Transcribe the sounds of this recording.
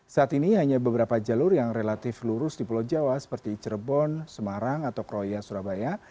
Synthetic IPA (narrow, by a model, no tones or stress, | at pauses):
saʔːt̪iniɦaɲabəbəɾapad͡ʒalʊrjaŋrelat̪ɪfluɾʊsdipəlɔd͡ʒawasə̥pərt̪it͡ʃəɾəbɔnsəmaɾaŋat̪awkɾojasuɾabaja